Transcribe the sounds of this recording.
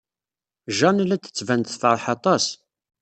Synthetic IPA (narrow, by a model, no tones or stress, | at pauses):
ʒɑnlæt͡s̪ə̥t͡sːvænt̪fəɾˤħɑt̪ˤɑs